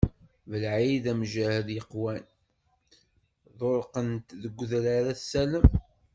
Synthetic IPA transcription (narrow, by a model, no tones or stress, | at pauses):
vəlʕiðæmʒæhəðjəqwæn | ðˤoɾˤqənt̪ðəɡʷːðɾaɾæθsæləm